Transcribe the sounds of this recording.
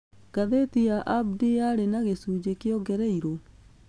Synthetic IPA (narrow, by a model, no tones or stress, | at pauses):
ɡ̥aðetiaʔabdiaɾenaɣesuːd͡ʑekjɔɡɛɾɛiɾo